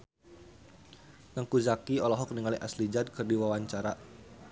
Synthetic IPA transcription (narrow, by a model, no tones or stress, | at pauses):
naŋkuzakiɔlɔɦɔk̚niŋaliʔa̰slid͡ʒad̪̚kɨrdiwawaɲt͡ʃaɾa